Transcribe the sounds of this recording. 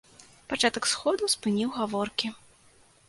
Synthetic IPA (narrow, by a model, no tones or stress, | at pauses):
pat͡ʂat̪ɐksxɔd̪uspɨnʲiwɣavɔrkʲi